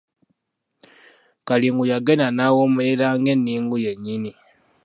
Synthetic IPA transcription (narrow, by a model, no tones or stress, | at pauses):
kaliːŋɡujaɡenanaːwoːmuleɾaːŋɡe̞nːiːŋɡujeɲːini